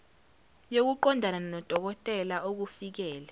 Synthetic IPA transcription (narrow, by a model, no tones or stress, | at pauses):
jok̬uǃɔndʱanananɔd̥ʱɔk̬ɔtʼɛlaʔok̬ufik̬ɛːlɛ